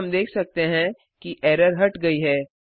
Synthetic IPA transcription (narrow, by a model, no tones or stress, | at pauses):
md̪eːkʰsɐk̚t̪eɦɛ̃ | kiʔɛːɾəɾɦɐʈɡɐiɦɛː